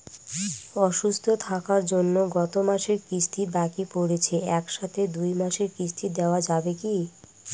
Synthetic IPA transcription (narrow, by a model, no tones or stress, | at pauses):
ɔʃust̪ʰot̪ʰakaɾd͡ʑonːoɡɔt̪omaʃeɾkɾisʈ̪ʰibakipoɽet͡ɕʰeɛkʃat̪ʰed̪ujmaʃeɾkisʈʰid̪eoad͡ʑabeki